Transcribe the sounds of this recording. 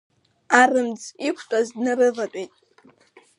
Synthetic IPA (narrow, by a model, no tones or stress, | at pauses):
arɨmd͡zʼikʷʰtʼaznɨɾɨvatʼejtʼ